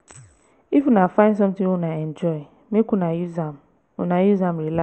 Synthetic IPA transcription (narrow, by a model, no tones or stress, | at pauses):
ifunãfãns̬ɔ̃mtɪ̃wunãɛ̃nd͡ʒɔɪ | mĩkũnãjuzãm | ṵnãjuzãmɾila